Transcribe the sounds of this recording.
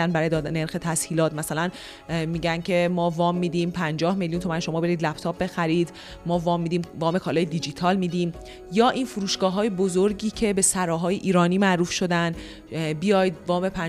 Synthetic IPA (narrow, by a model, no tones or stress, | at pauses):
ænbæɾɒːj̪neɾxet̪ʰæshiːlɒːt̪mæsælæn | miːɟæncʰe̞mɒːvɒːmːiːd̪iːmpʰænd͡ʒɒːhmeljunt̪ʰo̞mænʃo̞mɒːbe̞ɾiːd̪læpt̪ʰɒːpb̚be̞xæɾiːd̪ | mɒːvɒːmːiːd̪iːmvɒːme̞kʰɒːlɒːjed̪id͡ʒit̪ʰɒːlmiːd̪iːm | jɒːʔiːnfuɾuːʃɡ̥ɒːɦɒːjebozoɾɟiːcʰe̞be̞sæɾɒːɦɒːjeʔiːɾɒːniːmæʔɾuːfʃo̞d̪æn | bijɒːjd̪̚vɒːme̞pʰæ